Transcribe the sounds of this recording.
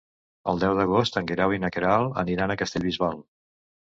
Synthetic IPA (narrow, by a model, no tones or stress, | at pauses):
əlˠd̪ɛwðəɣost̪əŋɡeɾawinəkeɾalˠə̰niɾanəkəst̪eʎβizβalˠ